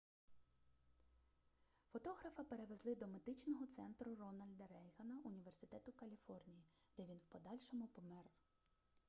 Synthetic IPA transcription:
fɔt̪ɔɦɾɐfɐpe̞ɾeʋe̞zlˠɪd̪ɔmed̪ɪt͡ʃnɔɦɔt̪sɛnt̪ɾʊrɔnɐlʲd̪ɐɾɛjɦɐnɐʔʊnʲiʋe̞rsɪ̥t̪ɛt̪ʊkɐlʲifɔrnʲiji | d̪̥ɛʋʲinwpɔd̪ɑlʲʃɔmʊpɔmɛr

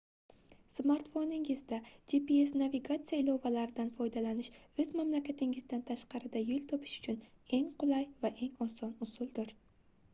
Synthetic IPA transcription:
smaɾt̪fo̞nɪŋɪzd̪ad͡ʒipiesnaviɡat̪sɨjaɪlɒvalaɾɪd̪anfɒjd̪alanɪʃɵzmamlakʲat̪ʰɪŋɪzd̪ant̪ʰaʃqɑɾɪd̪ajʊlˠt̪ʰɒpʰɪ̥ʃʊ̥t͡ʃʰʊne̞ŋqʰʊlˠajvaʔe̞ŋɒsɒnʊsʊlˠd̪ɪɾ

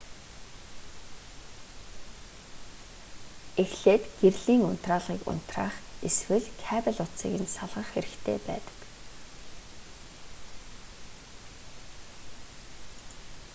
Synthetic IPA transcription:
exɬeːt̪ɡ̥erɮiːŋʊn̥t̪raːɮʁiːkʊ̰n̥t̪ra̰ːχeswɘ̆ɮkʰæpə̆ɮʊt͡sḭːkɘ̆nsaɮʁə̆χxeɾɘ̆xt̪ʰḛːpæ̰ːt̪ə̥̆k

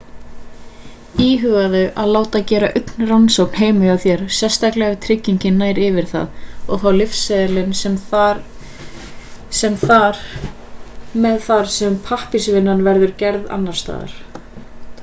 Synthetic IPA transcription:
iːɦʏɣaðʏʔaðlaːwt̪aðcɛːɾaʔʏt̪nransowkn̥heːjmʏaθjɛɾ̥sjɛ̥st̪aklɛɣat̪ʰɾɪcːiɲcɪnːaːjɾɪvɪɾ̥θa̰ðɔɣθawlɪfsɛðɪlɪnsɛm | sɛmθaɾ | mɛðθaɾ̥sɛmpʰahpɪsvɪnːanvɛɾðʏɾcɛɾða̰nːaɾ̥st̪a̰ːða̰ɾ̥

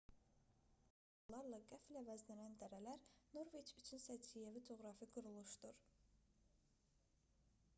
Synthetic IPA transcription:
olˠɑɾlˠɑɡæflævæzlænænd̪æɾælæɾno̞ɾvet͡ʃʰyt͡ʃʰynsæt͡ʃʰijevid͡ʒo̞ɣɾɑfiɡuɾulˠuʃd̪uɾ

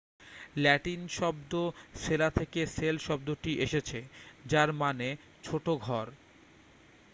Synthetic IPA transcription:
lɛʈinʃɔb̚d̪oʃelat̪ʰekeselʃɔb̚d̪oʈiʔeʃet͡ɕʰed͡ʑaɾmane | t͡ɕʰoʈoɡʱɔɾ

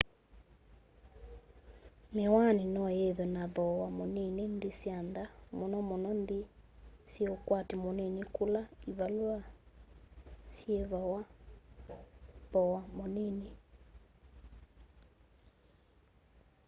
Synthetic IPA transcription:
mewaninɔjeðwɛnaðɔwamoninendisiandamonɔmonɔndisjeokwatemonenikulaivalwa | sjeβawa | ðɔwamɔnine

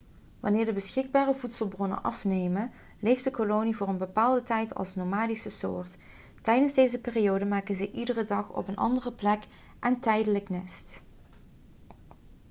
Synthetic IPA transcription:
ʋɑ̰nɪːɹdəbəsxɪɡ̚baːrəvutsəlˠbrɔnə̰nʔɑfnejmən | lejftdəkolownivʊːrənbəpaːlˠdətɛjtʰɑ̰lˠsnomaːdisəso̰ːɹt | tɛjdənzdejzəpɪːriowdəmaːkənzɛjʔidərədɑχɔ̰pənʔɑ̰ndərəplɛk | ʔɛntɛjdələknɛst

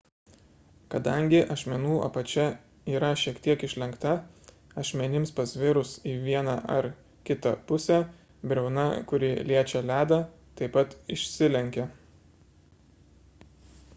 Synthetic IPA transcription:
kɐd̪ɐŋʲɡʲɪʔɐʃʲmʲɛnuːɐ̰pɐt͡ʃʲɛ | iːɾɐʃʲiɛkt̪ʲiɛkɪʃʲlʲɛŋkt̪ɐ | ɐʃʲmʲɛnʲɪmspɐsʲʋʲɪɾʊsiːʋʲiɛnɐʔɐɾ | kʲɪt̪ɐpʊsʲɛ | bʲɾʲɛʊnɐ̰kʊɾʲɪlʲiɛt͡ʃʲɛlʲæːd̪ɐ | t̪ɐɪpɐt̪ɪʃʲsʲɪlʲɛŋʲkʲɛ

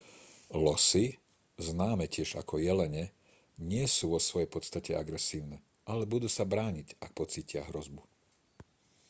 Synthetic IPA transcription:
lɔsi | znaːmɛcɪɛʒa̰kʰɔjɛlɛɲɛ | ɲɪɛsuʋɔsʋɔjɛjpɔt̪st̪acɛaɡɾɛsiːʊnɛ | ʔalɛbud̪uːsabɾaːɲicak̚pɔt͡siːcɪaɦɾɔzbu

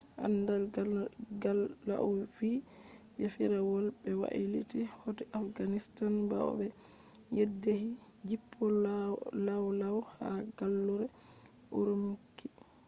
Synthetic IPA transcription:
ʔa̰ndal | ɡala̰ʔuv̥i | jafiɾawɔlbɛwa̰ʔilḭtihɔtiʔafɡanistanba̰ɔ̰bɛ | jedːehi | d͡ʒipʰːɔlawlawhaɡalːuɾɛ | ʔuɾumukːi

